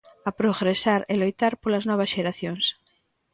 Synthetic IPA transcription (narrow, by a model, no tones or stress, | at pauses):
apɾoɣɾesaɾelojt̪aɾpolaznɔβ̞asʃeɾaθjoŋs